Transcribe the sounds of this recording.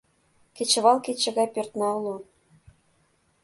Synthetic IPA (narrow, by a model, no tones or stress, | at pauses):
ket͡ɕə̆βɑlˠket͡ɕːə̆ɣɑjpørt̪nɑulon